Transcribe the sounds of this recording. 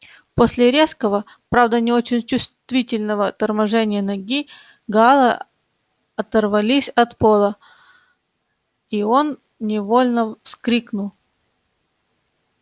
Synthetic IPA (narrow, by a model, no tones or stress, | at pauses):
posʲlʲɪɾʲeskəvə | pɾavd̪ənʲɪot͡ɕɪnʲt͡ɕʊst̪vʲitʲɪlʲnəvət̪ərmɐʐɛnʲɪjənɐɡʲi | ɡalˠə | ɐt̪ərvɐlʲisʲɐt̪po̞lˠə | io̞n | nʲɪvo̞lʲnəfskɾʲiknʊlˠ